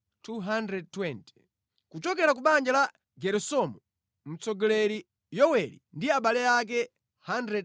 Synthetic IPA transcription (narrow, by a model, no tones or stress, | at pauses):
tuɦandɾɛd̚twɛnti̥ | kut͡ʃɔkɛɾak̬uɓand͡ʒala | ɡɛɾusɔmɔ | m̩t͡sɔɡɔlɛɾi | jɔwɛɾḭndiaɓalɛak̬ɛ | handɾɛd